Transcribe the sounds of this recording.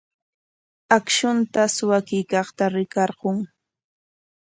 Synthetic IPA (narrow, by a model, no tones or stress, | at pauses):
akʃʊnt̪aswakɪjkɑχt̪aɾɪkɑɾɢoŋ